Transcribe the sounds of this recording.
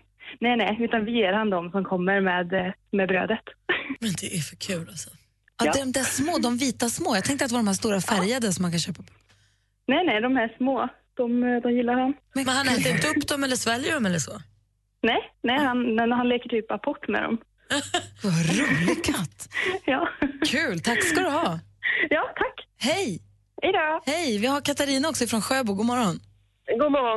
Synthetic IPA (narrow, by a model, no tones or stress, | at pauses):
nɛnɛjʉ̟ːt̪anvɪjeːɾhand̪ɔmsɔmkʰɔmːəɾmeːd̪mɛbɾø̰ːd̪ət̪mɛnd̪ɛʔæɾfœkʰʉ̟ːlasɔ̥ | atd̪ɛɾɔmd̪ɛæʂmoːd̪ɔmviːt̪asmoːjɑːt̪ɛ̃ŋkt̪at̪ɛvaɖ̪ɔmhæːʂt̪uːɾafæɾjad̪əsɔmːankʰanɕøːpapʰː | nɛnɛd̪ɔmhæʂmoː | d̪̥ɔmd̪ɔmjɪlːaɾhanmɛnhanɛːt̪ːɾɪnt̪əɵpːd̪ɔmɛlːəʂvɛlːjəɖɔmɛlːəʂɔ | nɛjnɛjhanɛɦanleːkəʈʰyːpapʰɔʈːmɛ̰d̪ɔ̰m | vaɾuːlɪkʰat̪ːjɑːkʰʉ̟ːlt̪ʰakːsad̪ɵɦɑːjɑːt̪ʰakːhɛj | ɛɪd̪ɑːhɛjvɪhaɾkʰat̪aɾiːnaɔksɔɪfɾɔnɧøːbuːɡuːmɔɾɔn | ɡuːmɔɾɔ